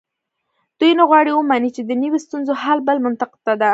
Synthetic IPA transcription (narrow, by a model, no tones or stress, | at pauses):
d̪̥ujnaɣwɑɽiwəmanit͡ʃed̪ənəwost̪unzohalbəlmʊnt̪aqɪ̥t̪ːad̪a